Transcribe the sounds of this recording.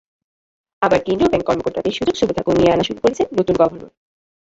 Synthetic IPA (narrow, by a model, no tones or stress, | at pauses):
abaɾkend̪ɾobɛŋkːɔɾmokoɾt̪at̪eɾʃud͡ʑokʃubit̪ʰakonieanaʃuɾukoɾet͡ɕʰenːot̪unɡɔbʱono̰